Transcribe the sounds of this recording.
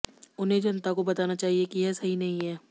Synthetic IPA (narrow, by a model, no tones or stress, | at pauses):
ʊnɦẽd͡ʒɐnt̪akobɐt̪aːnat͡ʃaːɦiekijɛsɐɦinɐɦĩɦɛː